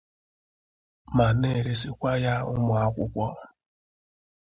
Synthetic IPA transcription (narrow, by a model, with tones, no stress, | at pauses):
ma˨ne˦˨ɾe˦si˦kʷa˦ja˦ʊ̰˦mʊ˨a˦kʷʊ̰˦kʷɔ˦